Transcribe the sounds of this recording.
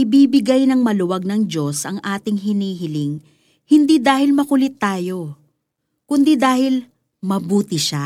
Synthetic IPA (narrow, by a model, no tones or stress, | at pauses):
ɪbiːbɪɡajnɐŋmɐlʊwɐɡ̚nɐŋd͡ʒo̞sʔɐŋʔaːt̪ɪŋɦɪniːɦɪlɪŋ | hɪnd̪id̪aːhɪlmɐkʊlɪt̪ːaːjo̞ | kʊnd̪id̪aːhɪl | mɐbuːt̪ɪʃa